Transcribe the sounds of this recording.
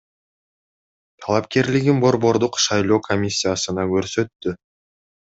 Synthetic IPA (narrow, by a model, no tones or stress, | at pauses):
t̪ʰɑlˠɑpkʲe̞ɾlɪɡʲɪnbo̞ɾbo̞ɾd̪ʊqʃɑjlˠo̞kʰo̞mʲisʲːijasənɑkʲʰɵɾsø̞t̪ːʏ